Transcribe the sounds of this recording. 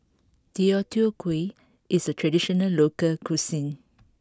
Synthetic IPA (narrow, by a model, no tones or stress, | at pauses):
diɔtʰuokʰwe | ʔisətʰɹɛdiʃɔnəllokəlkʰusĩn